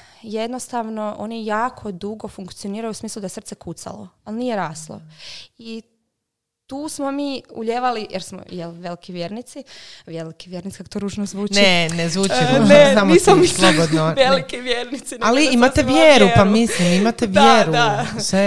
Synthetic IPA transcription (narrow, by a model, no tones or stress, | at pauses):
jed̪nost̪aʋno̞ʔo̰nijaːkʰo̞d̪uɡo̞fuŋkt̪sio̞niːɾajusmiːslˠud̪ajesr̩t̪sɛkut̪sa̰lo̞̰alnije̞ɾaːslˠo̰i | t̪uːsmo̞miːuʎeːʋalijʔeɾsmo̰jelʋelikiʋjeːɾnit̪siʋjelikiʋjeɾnit̪si̥kako̥t̪oɾuːʒnozʋuːnenezʋuːt͡ʃiueamosaslˠobod̪nojelikiʋjeɾnit̪sinaliimat̪eʋjeːɾupamislimimat̪eʋjeɾusʋe